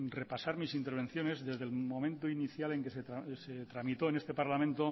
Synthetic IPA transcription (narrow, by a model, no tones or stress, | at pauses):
re̞pasaɾmisint̪e̞ɾβ̞e̞n̟θjo̞ne̞zðe̞zðe̞lmõ̞mẽnt̪oiniθjale̞ŋkeseaset̪ɾamit̪o̞enest̪e̞paɾlamẽnt̪o